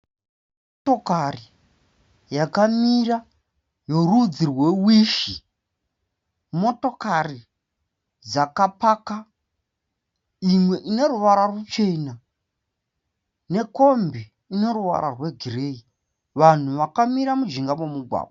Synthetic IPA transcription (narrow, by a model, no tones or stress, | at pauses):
mm | oto̞kari | jakamira | jo̞rud͡zirwe̞wiʃi | mo̞to̞kari | d͡zakapaka | imwe̞ʔine̞ruʋaɾarut͡ʃe̞na | ne̞ko̞mbi | ine̞ɾuʋa̰ɾarwe̞ɡʱirei | ʋan̤uʋakamiɾamud͡ʒiŋɡamo̞muɡʱwa̰ːɓa